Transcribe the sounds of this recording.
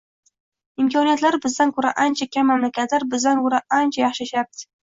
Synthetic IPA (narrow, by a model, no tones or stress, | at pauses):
ɪmkʰɒnijat̪laɾbɪzd̪ankʰɵɾaʔant͡ʃʰakʲʰamːamlakʲat̪laɾbɪzd̪ankʰʊɾaʔant͡ʃʰajɑχʃɪʃaɾ̚t̪ɪ̥